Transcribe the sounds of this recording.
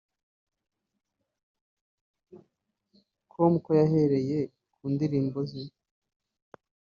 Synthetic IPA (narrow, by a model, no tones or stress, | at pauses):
kʰomkojaɦe̞ɾe̞je̞ | kʰuːndiɾiːmbozin